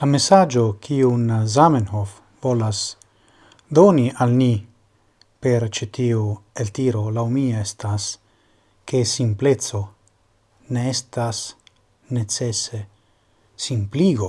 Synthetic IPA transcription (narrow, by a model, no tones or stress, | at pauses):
lamesad͡ʒokʰiunazamenhof | volas | d̪oniʔalni | peɾt͡ʃet̪iuelt̪iɾolawmiaest̪as | kesimplet̪t͡so̞ | neest̪as | net͡sese | simpliɡo